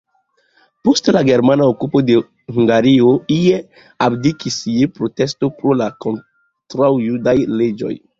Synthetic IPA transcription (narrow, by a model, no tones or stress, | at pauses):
postlaɡe̞ɾmanaokupo̞de̞ | huŋɡaɾioie | abdikisiepɾo̞testo̞pɾolako̞n | tɾawjudajled͡ʒo̞̰j